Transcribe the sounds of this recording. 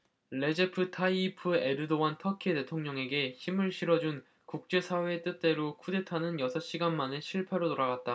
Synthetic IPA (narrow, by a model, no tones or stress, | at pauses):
ɭe̞d͡ʑepʰɯtʰaiipʰɯe̞ɾɯdowantʰʌkʰiede̞tʰoŋɲʌŋe̞ɡe̞çimɯɭɕʰiɾʌd͡ʑun | kuk̚t͡ɕ͈e̞sʰawe̞ːt͈ɯt̚t͈e̞ɾokʰude̞tʰanɯnjʌsʰʌɕ͈iɡanmaneɕʰiɭpʰeɾotoɾaɡat̚t͈a